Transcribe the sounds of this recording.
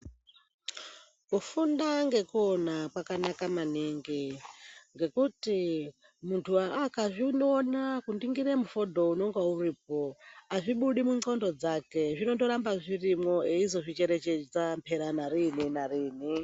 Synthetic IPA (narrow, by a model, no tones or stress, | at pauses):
kufundaŋɡekɔnakwakanakamaniŋɡi | ŋɡekuti | muntʰuaakaʐʷinonakundiŋɡiɾemufodʱounoŋɡauɾiːp̚oaʐiɓuɗimuŋ͡ǀɔndɔd͡zakeʐʷinotoɾambaʐʷirimoeizoʐʷit͡ʃeɾet͡ʃed͡zampʰeɾanaɾininaɾiːni